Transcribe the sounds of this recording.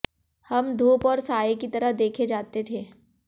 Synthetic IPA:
hɐmd̪ʱoːpɔːɾsaːekit̪ɐɾəd̪eːkʰed͡ʒaːt̪et̪ʰeː

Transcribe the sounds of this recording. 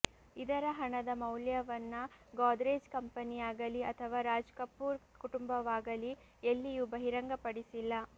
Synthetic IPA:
id̪ɐɾɐɦɐɳɐd̪ɐmɐwljɐʋɐnːɐɡaːd̪ɾeːd͡ʒkɐmpɐnijaːɡɐliɐt̪ʰɐʋaːɾaːd͡ʒkɐpːuːɾ | kuʈumbɐʋaːɡɐli | elːijubɐɦiɾɐŋɡɐpɐɽisilːɐ

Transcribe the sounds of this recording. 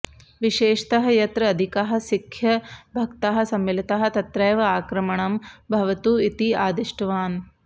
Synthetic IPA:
ʋiʃeːʃɐ̥t̪ɐɦɐ̆jɐt̪ɾɐɐd̪ʱikɐɦɐ̆sikʰjɐbʱɐkt̪ɐɦɐ̆sɐmːilit̪ɐɦɐ̆t̪ɐt̪ɾɐːʋɐaːkɾɐmɐɳɐmbʱɐʋɐt̪uit̪iaːd̪iʂʈɐʋaːn

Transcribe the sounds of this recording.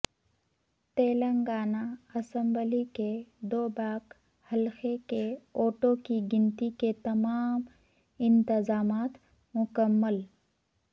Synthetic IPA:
t̪eːlə̃ŋɡaːnaɐsə̃mbəliked̪oːbaːk | hɐlxekeoːʈokiɡɪnt̪iket̪ɐmaːm | ɪ̃nt̪ɪzaːmaːt̪ | mʊkəmːəl

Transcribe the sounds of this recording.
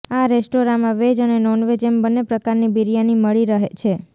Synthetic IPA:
aɾesʈoɾamãʋed͡ʒənenɔnʋed͡ʒembənːepɾəkaɾnibiɾijaniməɭiɾəɦet͡ʃʰe

